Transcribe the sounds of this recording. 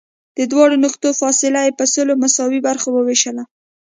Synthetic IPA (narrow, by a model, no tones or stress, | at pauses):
d̪̥əd̪wɑɽonʊxt̪ofɑsɪlajepəsəlomasɑwibaɾxowəweʃəla